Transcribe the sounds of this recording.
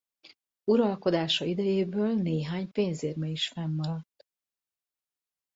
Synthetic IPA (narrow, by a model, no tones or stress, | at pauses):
uɾɒlko̞d̪aːʃɒid̪ɛjeːbøːlneːɦaːɲpeːɲzeːrmɛiʃfɛmːɒɾɒt̪ː